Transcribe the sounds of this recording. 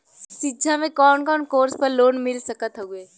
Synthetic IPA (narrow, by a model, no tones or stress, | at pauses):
sɪd͡ʒʱamẽkɔːnkɔːnkoːɾspəɾloːnmɪlsəkət̪ɦoːɡeː